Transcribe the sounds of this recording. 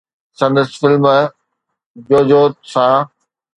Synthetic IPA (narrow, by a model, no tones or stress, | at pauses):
sɐ̃nd̪əsɪ̥fɪlm | d͡ʑoːd͡ʑoːt̪̚sãː